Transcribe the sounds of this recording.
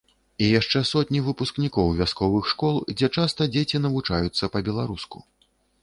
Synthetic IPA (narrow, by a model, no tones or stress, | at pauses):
ijaʂt͡ʂɛsɔt̪ʲnʲivɨpusknʲikɔwvʲaskɔvɨxʂkɔlˠd͡zʲɛt͡ʂast̪ɐd͡zʲet͡sʲin̪ɐvut͡ʂajut̪sːɐpɐbʲɛlˠaɾusku̥